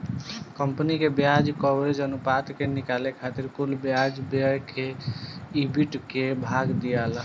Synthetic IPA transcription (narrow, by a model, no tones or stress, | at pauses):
kəmpənikebjad͡ʒkɔbɾed͡ʒənupat̪kenikalekʰat̪iɾkulbjad͡ʒbeəjke | ibiʈkebʱaɡd̪ijal